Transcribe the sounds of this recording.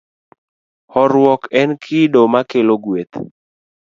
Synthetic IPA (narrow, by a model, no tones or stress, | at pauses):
hɔɾwɔkɛnkʰɪdomakeloɡwet̪